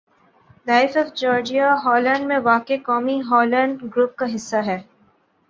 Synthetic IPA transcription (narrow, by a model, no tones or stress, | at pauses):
laːɪfɔːfd͡ʒɔːɾd͡ʒiaɦɔːlə̃ɳɖmẽʋaːkekɔːmiɦɔːlə̃ɳɖɡɾuːp̚kaɦɪsːaɦɛː